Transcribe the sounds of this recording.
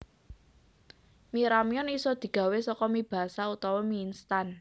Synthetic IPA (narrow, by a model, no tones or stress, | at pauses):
miɾamiɔnisɔd̪̥i̤ɡ̥a̤wesɔkɔmib̥a̤saut̪ɔwɔminst̪an